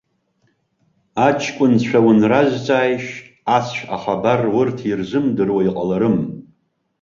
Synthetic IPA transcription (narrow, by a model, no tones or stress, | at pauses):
at͡ʃʰkʷʼʊnt͡ʃʷᶣʰawʊnrazt͡sʼaːjʃ | asʰʃʷᶣa̰χabarwʊrtʰirzɨmdɨrwaiqʼalaɾɨm